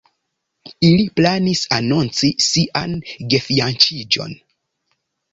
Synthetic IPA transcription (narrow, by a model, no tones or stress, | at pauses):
iliplanisanont͡sisiʔanɡefiant͡ʃid͡ʒo̞̰n